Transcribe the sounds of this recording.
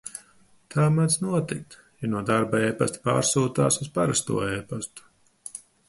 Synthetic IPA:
t̪ʰaːmansnuɔt̪ik̚t̪ | januɔd̪aɾbaeːpast̪pa̰ːɾsuːt̪aːsuzspaɾast̪ṵɔeːpast̪u̥

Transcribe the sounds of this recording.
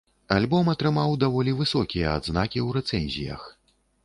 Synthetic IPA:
alʲbɔmɐt̪ɾɨmawd̪avɔlʲivɨsɔkʲijɐa̰d̪znakʲiwɾɛt̪sɛnʲzʲḭjɐ̰x

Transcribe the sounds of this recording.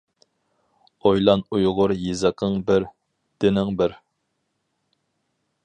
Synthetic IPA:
ojlˠɑnujʁʊɾjizəqʰəŋbɪɾ | d̪̥ɪnɪŋbɪɾ

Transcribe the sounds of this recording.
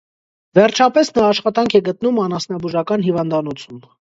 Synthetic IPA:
vɛɾt͡ʃʰɑpɛsnɑːʃχɑt̪ɑŋkʰɛɡət̪numɑnɑsnɑbuʒɑkɑnɦivɑnd̪ɑnɔt͡sʰum

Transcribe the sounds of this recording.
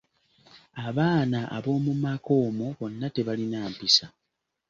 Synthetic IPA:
aβaːnaʔa̰βo̞ːmumako̞ːmoβo̞nːate̞βalinaːmpisa

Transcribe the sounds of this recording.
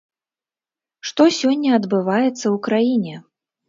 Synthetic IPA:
ʂt̪ɔsʲɔnʲːɐɐd̪bɨvajɛt̪sːɐwukɾajinʲɛ

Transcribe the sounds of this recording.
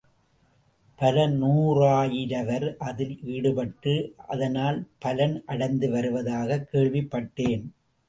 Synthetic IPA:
pɐlɐnuːraːjɪɾɐʋɐɾʔɐðɪlʔiːɽɯpɐʈːɯɐ̰ðɐnaːlpɐlɐnʔɐɽɐɪnd̪ɯʋɐɾɯʋɐðaːɣɐkːeːɭʋɪpːɐʈːeːn

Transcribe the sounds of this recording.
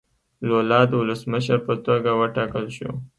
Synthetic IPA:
lolɑd̪əwʊləsməʃəɾpət̪oɡawəʈɑkəlʃo̰

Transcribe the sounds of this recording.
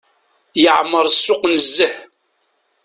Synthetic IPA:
jəʕmːəɾˤsːʊqnəzːəħ

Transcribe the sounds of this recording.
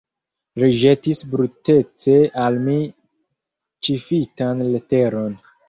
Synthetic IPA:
ɾiʒe̞tisbɾute̞t͡se̞almi | t͡ʃifitanlete̞ɾo̞n

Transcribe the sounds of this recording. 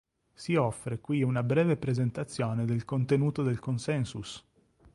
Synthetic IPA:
siɔfːɾekwiunabɾɛːvepɾezent̪at̪sːjoːned̪elkont̪enuːt̪od̪elkonsɛnsus

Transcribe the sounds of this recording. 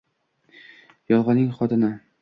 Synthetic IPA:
jɒlˠʁɒnɪŋχɒt̪ʰɪna

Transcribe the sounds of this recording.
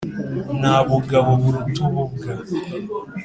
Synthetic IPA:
naβuɡaβoβuɾutuβubɡa

